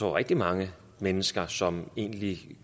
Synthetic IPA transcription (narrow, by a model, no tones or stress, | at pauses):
ɒ̰ːʁɛɡ̥̚d̥imɑ̈ŋə | menəsɡ̥ɐsɒ̽me̝̰ːnli